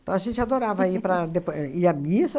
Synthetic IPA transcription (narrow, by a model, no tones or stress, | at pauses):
t̪ɐ̃w̃aʒẽnt͡ʃad̪oɾavɐaipɾɐd̪epiɐmisɐ